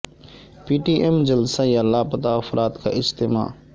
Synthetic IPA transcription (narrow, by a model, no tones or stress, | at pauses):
piːʈiːʔemd͡ʒəlsajalːaːpət̪aɐfɾʔaːt̪ka̰ːʔɪd͡ʒt̪ɪma̰ː